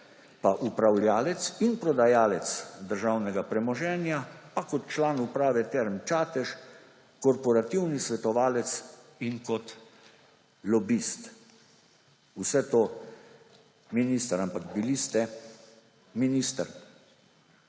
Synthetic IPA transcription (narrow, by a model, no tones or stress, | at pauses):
paʔupɾawlʲjaːlɛt̪sinpɾɔd̪ajaːlɛt̪sd̪əɾʒawnɛɡapɾɛmɔʒɛːnjapakɔt̪̚t͡ʃlaːnupɾaːʋɛt̪ɛɾmt͡ʃaːt̪ɛʃ | kɔɾpɔɾat̪iwnisʋɛt̪ɔʋaːlɛt̪siŋkɔt̪ | lɔbist̪ | usɛt̪oː | minist̪əɾampakbilist̪ɛ | minist̪əɾ